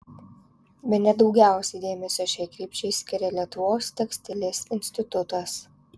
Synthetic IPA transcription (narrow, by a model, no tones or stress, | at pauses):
bʲɛt̪nʲɛd̪ɒʊɡʲæˑʊsʲɛɪd̪ʲeːmʲɛsʲoʃʲɛɪkɾʲiːpʲt͡ʃʲɛɪsʲkʲɪɾʲɛlʲiɛt̪ʊʋoːst̪ʲɛksʲt̪ʲɪlʲɪsɪnʲsʲt̪ʲɪt̪ʊt̪ɐs